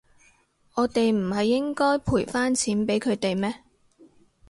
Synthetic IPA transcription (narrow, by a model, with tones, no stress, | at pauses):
ɔː˨˧t̪e˨jm̩˨˩hɐ˨jːɪ˥ŋkɔː˥jpʰuː˨˩jfaː˥nt͡sʰiː˨˥npe˨˥jkʰɵ˨˧t̪e˨jmɛː˥